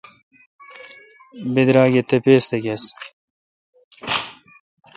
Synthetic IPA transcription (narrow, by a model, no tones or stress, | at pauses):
bid̪ɾaːɡet̪epeːst̪ekes